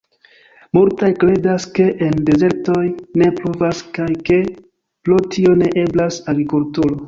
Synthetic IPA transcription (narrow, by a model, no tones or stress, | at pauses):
muɾtajkɾe̞daske̞ʔende̞ze̞ɾto̞jne̞plovaskajke̞ | plotʰio̞ne̞ʔeblasaɡɾikultuɾo̞